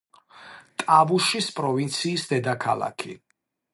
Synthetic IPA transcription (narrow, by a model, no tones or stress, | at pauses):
t̪ʼavuʃispʼɾɔvint̪sʰiːsd̪ɛd̪akʰa̰lˠa̰kʰi